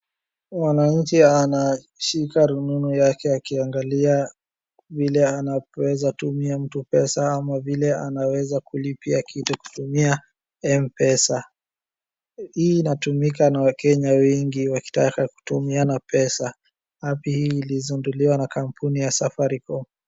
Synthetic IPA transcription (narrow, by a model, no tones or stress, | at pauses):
mwanaɲ̩t͡ʃiana | ʃikaɾununujakɛakiaŋɡalia | vilɛanawɛzatumiam̩tupɛsaamavilɛanawɛzakulipiakʰituku̥tumia | ɛmpɛsa | hiːnatumikanawakɛɲawiŋɡiwaki̥takaku̥tumianapɛsa | hapihiːlizunduliwanakam̩punijasafaɾikɔm